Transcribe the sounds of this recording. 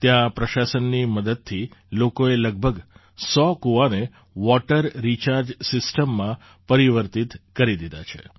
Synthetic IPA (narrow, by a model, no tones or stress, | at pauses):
t̪jãpɾəʃasənːiməd̪əd̪̚t̪ʰːilokoeləɡ̚bʱəɡ | sɔkuʋane | ʋɔʈəɾːit͡ʃaɾd͡ʒsɪsʈəmːã | pəɾiʋəɾt̪it̪kəɾid̪id̪at͡ʃʰḛ